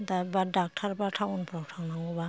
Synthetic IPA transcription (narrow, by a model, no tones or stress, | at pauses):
d̪abadak̚tʰaɾbatʰawɔnpʰɾawtʰawnaŋɡɔba